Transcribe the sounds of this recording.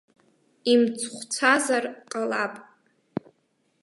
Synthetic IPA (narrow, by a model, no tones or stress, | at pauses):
imt͡sʰʼχʷt͡sʷʰazarqʼalapʼ